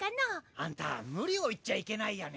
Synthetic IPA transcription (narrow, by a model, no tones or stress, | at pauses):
kanaant̪a̰ŋuɾioit͡ʃːaikenajane